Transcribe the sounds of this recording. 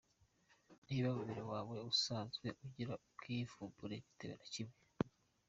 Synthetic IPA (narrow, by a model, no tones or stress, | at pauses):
niːβaβuβiɾowaːwe̞usaːnzɡwe̞ʔuɟiɾaukʰivuːmbuɾeɟi̥teβenacimŋe